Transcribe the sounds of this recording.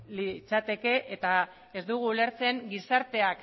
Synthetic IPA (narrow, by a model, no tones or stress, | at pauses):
lit͡sat̪e̞ke̞ʔet̪a | e̞zd̪uɣ̞uːle̞ɾt͡se̞ŋɡisaɾt̪e̞ak